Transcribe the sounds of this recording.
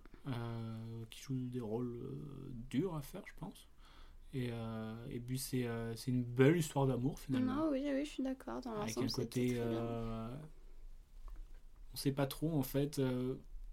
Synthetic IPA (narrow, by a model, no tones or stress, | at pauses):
økʲi̥ʒud̪eʁolø̰d̪yʁafɛʁʒəpɑ̃s | eøḛpɥisɛøsɛynbɛlist̪waʁd̪amuʁfinalmɑ̃wiwiəʃɥid̪akʰɔʁd̪ɑ̃lavɛkɛ̃kot̪eø | ɔ̃sɛpat̪χoɑ̃fɛt̪ø